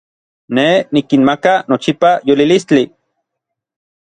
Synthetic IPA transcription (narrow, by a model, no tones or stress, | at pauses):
nenikinmakanot͡ʃipajolilist͡ɬi